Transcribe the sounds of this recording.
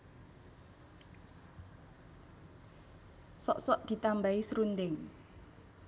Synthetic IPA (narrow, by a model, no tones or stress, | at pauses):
sɔ̰ʔsɔʔd̪̥i̤t̪ambaisɾund̪ɪŋ